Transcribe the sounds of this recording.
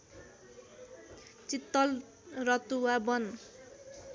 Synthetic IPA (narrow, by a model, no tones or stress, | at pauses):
t͡sit̪ːʌl | rʌt̪uwabʌn